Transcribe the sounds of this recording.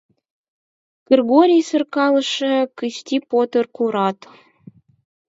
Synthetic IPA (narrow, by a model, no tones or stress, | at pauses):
ɡ̥erɣoɾʲijsə̆rkɑləʃə̆kəʃt̪ʲipot̪ərkuɾɑt̪